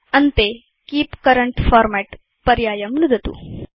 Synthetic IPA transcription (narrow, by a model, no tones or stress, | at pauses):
ɐnt̪e | kiːpkɐɾɐɳʈfʰaːɾmeːʈ | pɐɾjaːjɐmnud̪ʱɐt̪ṵ